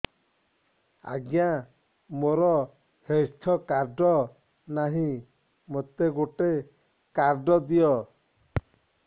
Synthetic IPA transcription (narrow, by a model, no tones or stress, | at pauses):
a̰ɡja | moɾɔ | hejst̪ʰɔkaɾɖɔ | naɦĩ | mot̪eɡoʈe | kaɾɖɔd̪ijɔ